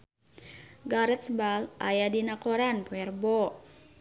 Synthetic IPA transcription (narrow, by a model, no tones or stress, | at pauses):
ɡaɾət̪̚sbalʔajadinakɔɾanpuɛrbɔ